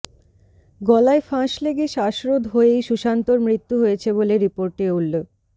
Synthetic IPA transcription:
ɡɔlaefãʃleɡeʃaʃɾod̪ʱɦoejʃuʃant̪oɾmɾit̪ːuɦojet͡ɕʰeboleɾipoɾʈeulːok̚

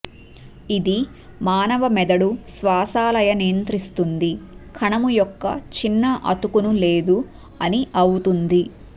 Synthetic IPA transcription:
id̪i | maːnɐʋɐmɛd̪ɐɽusʋaːsaːlɐjɐnijɐnt̪ɾist̪und̪ikʰɐɳɐmujɔkːɐ̰t͡ʃinːɐʔɐ̰t̪ukunule̞ːd̪u | ɐniʔɐwut̪und̪i

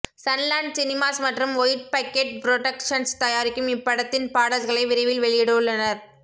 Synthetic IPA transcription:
sɐnlaːɳɖsɪnɪmaːsmɐʈrɯmʋɔjʈ̚pɐkːeːʈ̚pɾoʈɐkʂɐnst̪ɐjaːɾɪkːɯmɪpːɐɽɐt̪ːɪnpaːɽɐlɣɐɭɐɪʋɪɾɐɪʋɪlʋɛɭɪjɛɽɯɯɭːɐnɐɾ

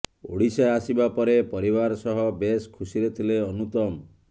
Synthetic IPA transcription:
o̰ɽisaasibapɔɾepɔɾibaɾɔsɔɦɔbeskʰusiɾet̪ʰileɔnut̪ɔm

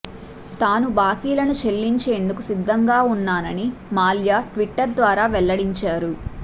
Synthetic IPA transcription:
t̪aːnubaːkiːlɐnut͡ʃelːiɲt͡ʃe̞ːnd̪ukusid̪ʱːɐŋɡaːunːaːnɐnimaːljaːʈʋiʈːɐɾd̪ʋaːɾaːʋɛlːɐɽiɲt͡ʃaːɾu

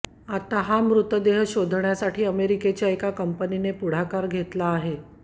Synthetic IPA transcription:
at̪aɦamɾut̪əd̪eɦɕod̪ʱɳjasaʈʰiːəmeɾiket͡ɕjaekakəmpəninepuɽ̤akaɾɡʱet̪laːɦe

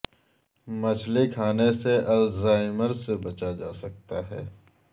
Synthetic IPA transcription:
mɐt͡ʃʰlikʰaːneseɐlzaːɪməɾsebɐt͡ʃad͡ʒaːsɐk̚t̪aɦɛ̰ː

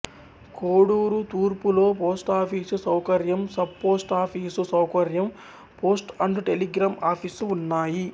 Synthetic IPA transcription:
koːɽuːɾut̪uːɾpulo̞ːpoːsʈaːpʰiːsusɐwkɐɾjɐmsɐb̚po̞ːsʈaːpʰiːsusɐwkɐɾjɐm | po̞ːsʈɐɳɖuʈeliɡɾaːmaːpʰisunːaːji

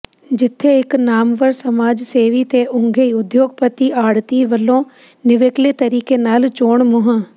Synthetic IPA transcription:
d͡ʒɪt̪ʰːeɪknaːmʋəɾsɐmaːd͡ʒseːʋit̪eʔʊ̃ŋɡʱeiʊd̪joːɡpət̪iaːɽt̪iʋəlõ | nɪʋeːklet̪əɾiːkenaːlt͡ʃoːɳmʊɦə̃

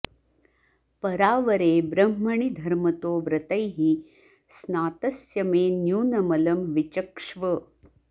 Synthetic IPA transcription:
pɐɾaːʋɐɾeːbɾɐmːɐɳid̪ʱɐɾmɐt̪oːʋɾɐt̪ɐjɦi | snaːt̪ɐsjɐmeːnjuːnɐmɐlɐmʋit͡ʃɐkʂʋɐ

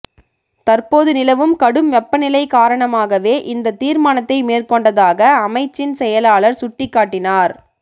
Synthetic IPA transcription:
t̪ɐrpoːðɯnɪlɐʋɯmkɐɽɯmʋɛpːɐnɪlɐɪkaːɾɐɳɐmaːɣɐʋeːʔɪnd̪ɐt̪iːɾmaːnɐt̪ːɐɪmeːrkɔɳɖɐðaːɣɐɐmɐɪt͡ʃːɪnsɛjɐlaːɭɐɾsʊʈːɪkːaːʈːɪnaːɾ

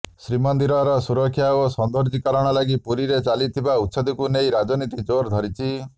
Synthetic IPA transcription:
sɾimɔnd̪iɾɔɾɔsuɾɔkʰːjaosɔnd̪ɔɾd͡ʒikɔɾɔɽ̃ɔlaɡipuɾiɾet͡ʃalit̪ʰibaut̪ːsɔd̪ikunejɾad͡ʒɔnit̪id͡ʒoɾd̪ʱɔɾit͡ʃʰi

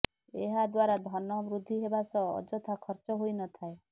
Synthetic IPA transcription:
eɦad̪waɾad̪ʱɔnɔbɾud̪ʱːiɦebasɔ̰ːd͡ʒɔt̪ʰakʰɔɾt͡ʃɔɦojnɔt̪ʰae

